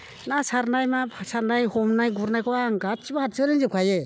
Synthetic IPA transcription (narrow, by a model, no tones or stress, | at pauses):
nasaɾnajmasaɾnajhɔmnajɡuɾnajkʰɔwaŋɡat͡ʃibahat̚sɯɾɯnzɯp̚kʰaje